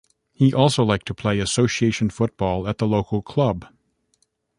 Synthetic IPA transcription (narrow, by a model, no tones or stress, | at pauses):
hiʔɔlˠsoʊlaɪk̚tʰəpʰl̥eɪɨsoʊsieɪʃɨ̃nfʊt̚b̥ɔlˠət̪̚ðəloʊkl̩ˠkʰl̥ʌb